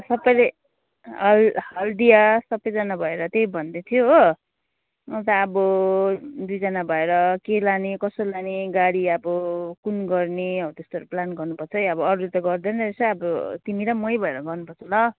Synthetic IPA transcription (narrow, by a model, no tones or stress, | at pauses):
sʌbʌjle | ʌlhʌld̪ijasʌpːʌjd͡zʌnabʱʌeɾʌt̪ejbʱʌnd̪et̪ʰijoɦ | ʌt̪aːbʌ | d̪ujd͡zʌnabʱʌeɾʌkelanikʌsolaneɡaɽiabʌkunɡʌrneʌt̪est̪oɾoplanɡʌrnupʌrt͡sʰʌjʌbʌːɾuut̪ʌɡʌrd̪ʌnʌesʌʌbʌt̪imiɾamʌjbʱʌeɾʌɡʌrnupʌrt͡sʰʌlʌ